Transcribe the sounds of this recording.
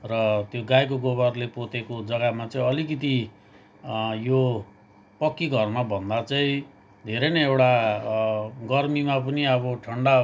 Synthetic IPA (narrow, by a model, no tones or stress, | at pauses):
rʌt̪joɡajk̬oɡoβʌrlepot̪ekod͡zʌɡamat͡sʌĩʌlik̬it̪̬i | jo | pʌkːiɡʱʌrmabʱʌnd̪at͡sʌĩ | d̪ʱeɾenʌewʈa | ɡʌrmimap̬ʌniʌβʌʈʰʌɳɖa